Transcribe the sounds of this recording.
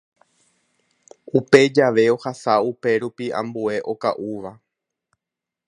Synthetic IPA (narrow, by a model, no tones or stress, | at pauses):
upe̞d͡ʒaʋe̞ohasaupe̞ɾupiã̰mbue̞ʔo̞ka̰ʔuʋa